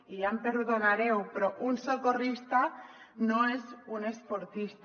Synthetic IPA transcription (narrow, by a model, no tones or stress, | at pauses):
ijampeɾðonaɾewpɾɔʔunsokorist̪a | noezunespoɾt̪ist̪